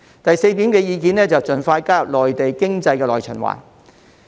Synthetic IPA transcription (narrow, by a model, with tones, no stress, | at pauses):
t̪ɐ˨jse˧jt̪iː˨˥mkɛː˧jiː˨˧k̬iː˨nlɛː˥t͡sɐ˨wt͡sɵ˨˩nfaː˧jkaː˥lɔː˨jt̪e˨jkɪ˥ŋt͡sɐ˧jkɛː˧lɔː˨˩jt͡ʃʰɵ̰˨˩nwa̰ː˨˩